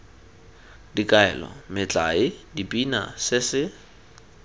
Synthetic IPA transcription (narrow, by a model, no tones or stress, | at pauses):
dikʼaɛ̰lɔ̰mɪt͡ɬʼa̰ɪdibʼina̰sɪsɪ